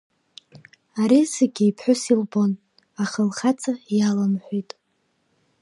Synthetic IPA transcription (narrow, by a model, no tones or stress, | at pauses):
aɾiseɡʲijpʰħʷᶣʊsilbo̞n | aχəlχat͡sʼajalamħʷitʼ